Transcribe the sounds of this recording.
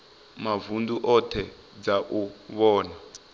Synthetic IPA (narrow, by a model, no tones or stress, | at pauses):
mavunduʔɔtʰɛ | d͡zaʔuβɔːna